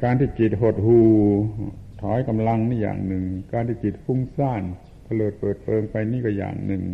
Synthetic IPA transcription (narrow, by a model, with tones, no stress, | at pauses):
kaː˧nt̪ʰiː˧˩ki˨˩t̪̚ɦo˨˩t̪̚huː˧˩ | t̪ʰɔː˨˦jka˧mla˧ŋniː˧˩ja̰ː˨˩ŋnɯ˨˩ŋkaː˧nt̪ʰiː˧˩ki˨˩t̪̚fu˧˥˩ŋsaː˧˥˩n | t̪ʰa˧lɤː˨˩t̪̚pɤː˨˩t̪̚pɤː˧ŋpa˧jniː˧˥˩kɔ˧˩ja̰ː˨˩ŋnɯ˨˧˩ŋ